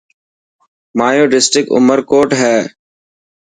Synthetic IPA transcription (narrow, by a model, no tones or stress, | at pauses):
maːjoːɖɪsʈɾɪkʊ̰məɾkoːʈɦɛː